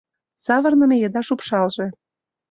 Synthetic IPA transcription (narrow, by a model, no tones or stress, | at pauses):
sɑβɤ̆rnə̆mejəd̪ɑʃupʃɑlʒe